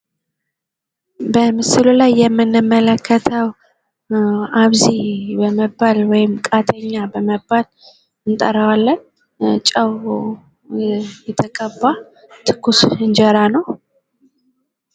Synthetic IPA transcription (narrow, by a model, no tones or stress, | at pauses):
bəmɨsɨlulajːɛmːɨnːɨmːələkʰːət̪ʰəw | aβzibəməbːalwɔjɪmkʼat̪ʰəɲːabəməbːal | ɨnt̪ʼə̰ɾəwalːən | t͡ʃʼəwo | jɛt̪ʰəkʼəbːa | t̪ʰɨkʰːusɨnd͡ʒəɾanəw